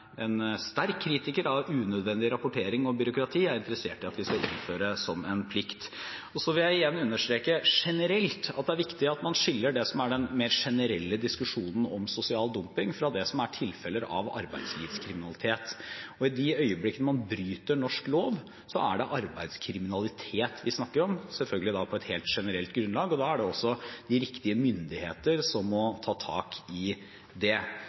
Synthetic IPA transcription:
ɛnst̪æɾkʰːɾiːt̪ɪkəɾɑʋʉːnœd̪ʋɛnd̪ɪɾɑpʊʈʰeːɾɪŋɔbʏɾʊkɾɑt̪ʰiːæɾɪnt̪əɾəseːʈɪɑt̪ʋɪskɑʔɪ̰nːføːɾəsɔmɛnpʰlɪkt̪ɔsɔʋɪljæɪjɛnːʉnːəʂʈ̪ɾeːkəʂɛnəɾɛlt̪ɑ̰t̪̚d̪ɛæɾʋɪkt̪ɪɑt̪mɑnʂɪlːəɖɛsɔmæɖɛnmeːɾʂɛnəɾɛlːəd̪ɪskʉʂuːnn̩ɔmsʊsɪɑːld̪ʊmpɪŋfɾɑd̪ɛsɔmæʈʰɪlfɛlːəɾɑ̰ʋɑ̰ɾbæ̰ɪd̪slḭːʋskʰɾɪmɪnɑlɪt̪ʰeːt̪ɔɪd̪ɪœʏəblɪkːənmɑnbɾyːt̪əɳɔʂkloːʋ | sɔæ̰ɖɛʔɑɾbæɪd̪skʰɾɪmɪnɑlɪt̪ʰeːt̪ʋɪsnɑkːəɾɔmsɛlfœlɡəlɪd̪ɑpʰɔɛt̪heːlt̪ʂɛnəɾɛlt̪ɡɾʉnlɑːɡɔd̪ɑæɖɛɔsːɔd̪̥ɪɾɪkt̪ɪəmʏnd̪ɪheːt̪əɾsɔmːɔt̪ʰɑːt̪ʰɑ̰ːkɪ | d̪ɛ

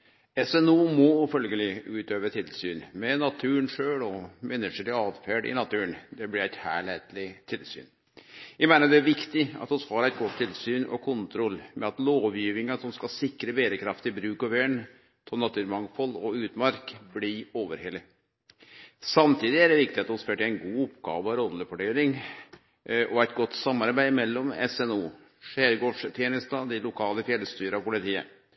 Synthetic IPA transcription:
ɛsɛnuːmɔfœlɡəlɪʉːt̪øːʋət̪ʰɪlsy̰ːnmɛnɑt̪ʰʉːəɳʂøːɭɔmɛnːəʂəlɪɑːd̪fæːɖɪ̰nɑt̪ʉːəɳd̪ɛblɪɾæɪt̪hæ̰ːɭheːt̪lɪt̪ʰɪlsy̰ːn | jæɪmæɪnəd̪ɛæɾʋɪkt̪ɪɑ̰t̪ɔshɑːɾæɪt̪̚ɡɔt̪ʰːɪlsyːnɔ̰kʰʊnt̪ʰɾɔlːmʔɛɑt̪loːʋjiːʋɪŋɑsɔmskɑsɪkːɾəbeːɾəkʰɾɑft̪ɪbɾʉːkɔʋeːɳ | t̪ʰɔnɑt̪ʰʉːɾmɑŋfɔlɔʉːt̪mɑɾkblɪoːʋəɾhɛlːɪ | sɑmt̪ʰiːd̪ɪæɖɛʋɪkt̪ɪɑt̪ɔsføːʈɪæɪnɡuːʊpɡɑ̰ːʋəɑʋɾɔlːəfɔɖeːlɪŋ | ʔɔæɪt̪ɡɔt̪ːsɑmːɑɾbæɪmɛlːɔmɛ̰sɛnuː | ʂæːɾɡoːʂt̪ʰjeːnəst̪ɑd̪ɪlʊkʰɑːləfjɛləst̪yːɾəɑʋpʊlɪt̪ʰiːə̰

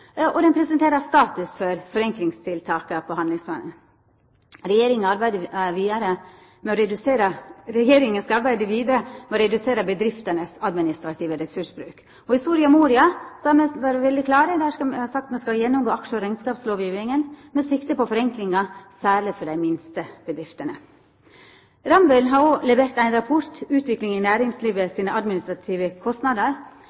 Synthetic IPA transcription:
ɔd̪ɛnpʰɾɛsɛnt̪eːɾəst̪ɑːt̪ʉsfɔɾfɔɾɛŋklɪŋst̪ʰɪlt̪ʰɑːkəpʰɔhɑnd̪lɪŋspʰlɑ̰ːnə̰n | ɾɛjeːɾɪŋɔɑɾbæɪd̪əʋiːd̪əɾə | mɛɔɾɛd̪ʉseːɾəɾɛjeːɾɪŋənskɑɑɾbæɪd̪əʋiːd̪əɾəmɛɔɾɛd̪ʉseːɾəbəd̪ɾɪft̪ənəsɑd̪mɪnɪst̪ɾɑt̪ʰiːʋəɾɛsʉʂbɾʉːk | ɔhɪst̪uːɾɪɑmuːɾɪɑsɑmɛʋɑːɾəʋɛld̪ɪkʰlɑːɾəd̪ɛhæːhɑːsɑk̚t̪mɛskɑjɛnːʊmɡoːɑkʂəɔɾæɪnskɑːpsloːʋjʉːɛŋənmɛsɪkt̪əpɔfɔɾɛŋklɪŋɑsæːɭɪfɔɖæɪmɪnst̪əb̥əd̪ɾɪft̪ənə | ɾɑmbʉlɦɑɾoːlɛʋeːɾt̪æɪnɾɑpʰɔɾt̪ʉːt̪ʰʋɪklɪŋɪnæːɾɪŋsliːʋəsiːnəʔɑd̪mɪnɪst̪ɾɑt̪ʰiːʋəkʰɔst̪nɑd̪əɾ

